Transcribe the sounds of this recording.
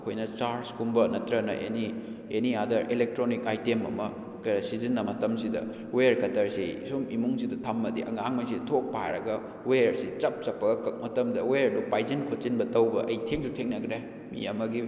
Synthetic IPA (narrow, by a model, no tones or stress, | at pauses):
ɐkʰojnɐt͡ʃaɾskumbɐnɐtɾɐnɐ̰ʔḛni | eniadɐɾelek̚tɾonikajtemɐ̰mɐ | kɐɾɐsizinːɐmɐtɐmsidɐ̰ | weɾkɐtɐɾsisumimuŋsidɐtʰɐmːɐdḭʔɐ̰ŋaŋmɐjsitʰok̚pa̰ɾɐɡɐ | weɾsit͡ʃɐp̚t͡ʃɐpːɐɡɐkɐk̚mɐtɐmdɐweɾdupajzinkʰot͡ʃinbɐtɐwbɐʔɐjtʰeŋsutʰeŋnɐɡɾe | mḭɐmɐɡi